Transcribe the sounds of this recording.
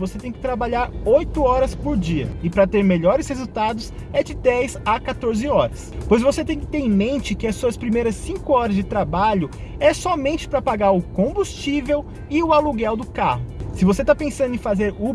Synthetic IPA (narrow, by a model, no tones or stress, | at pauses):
voset̪ẽj̃kɪ̥t̪ɾabaʎaɾojt̪ʊɔɾɐspʊɾd͡ʒiɐ̰ɪpɾɐt̪eɾmeʎɔɾɪshezuwt̪ad̪ʊs | ɛd͡ʒɪd̪ɛjzakat̪oɾzɪɔɾɐspojzvoset̪ẽj̃kɪ̥t̪eɾ̃mẽnt͡ʃɪkɪɐsːuɐspɾimejɾɐsːĩŋkʊɔɾɐzd͡ʒɪt̪ɾabaʎʊ | ɛsɔmẽnt͡ʃɪ̥pɾɐpaɡaɾʊkõbust͡ʃivew | ɪʊaluɡɛwd̪ʊka̰ɦʊsɪvoset̪apẽsɐ̃nd̪ʊẽfazeɾu